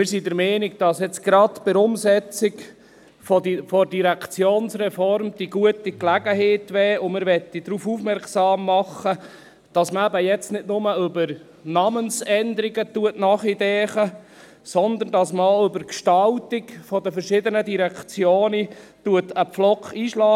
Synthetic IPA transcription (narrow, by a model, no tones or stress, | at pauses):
mɪɾsidəɾmɛːnik̚d̥ɑsjɛt͡sɡ̥ɾɑtb̥ɪɾʊmsɛt͡sɪɡ | fɔdfɔɾdiɾækʰt͡sjoːnsrɛfɔɾmd̥iɡuətiklæɡəheːtʋɛːʊmɪɾʋɛt̪ːidɾuːfufmɛɾksɑːmːɑχə | d̥ɑsməæbəjɛt͡stnɪdnʊməɵbəɾ | nɑːmənsɛnd̪əɾiɡətuətnɑːχidɛːχə | sɔnd̪əndɑsmʏbəɾkʃtɑltɪkfɔdəfəɾʃɪd̪ənədiɾækt͡sjoːnituətəpflɔkiːʃlɑː